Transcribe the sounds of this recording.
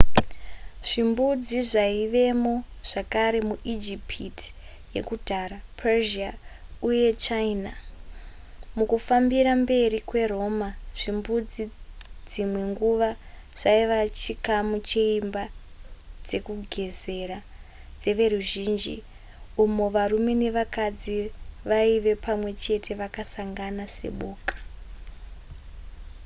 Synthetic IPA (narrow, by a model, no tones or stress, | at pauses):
ʐ̥imbud͡ziʐaiʋe̞mo̞ʐ̥akaɾe̞muʔid͡ʒipʰiti̥ | je̞̰kudʱaɾapʰeʒiauje̞t͡ʃaina | mukufambiɾambe̞rikwe̞ro̞ːmaʐ̥imbud͡zid͡zimwe̞ŋɡuʋa | ʐ̥aiʋat͡ʃikamut͡ʃe̞imba | d͡ze̞kuɡʱe̞ze̞ɾa | d͡ze̞ʋe̞ruʒiːnd͡ʒḭ | umo̞ʋarume̞ne̞ʋakad͡ziʋaiʋe̞pʰamwe̞t͡ʃe̞tʰe̞ʋakasaŋɡanase̞̰ɓoːkḁ